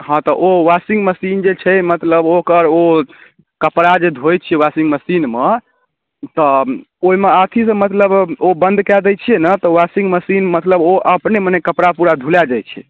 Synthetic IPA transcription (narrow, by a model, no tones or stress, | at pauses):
ɦãt̪ɔʔowasiŋɡməsind͡ʒet͡ʃʰɛmət̪ləbokəɾo | kəpɾad͡ʒed̪ʱojt͡ʃʰiɛwasiŋɡməsinme | t̪ɔ | oimeat̪ʰisə̃mət̪ləbobənd̪kɛd̪ɛt͡ʃʰienət̪ɔwasiŋɡməsinmət̪ləboʔəpnemənɛkəpɾapuɾad̪ʱulad͡ʒajt͡ʃʰɛ̰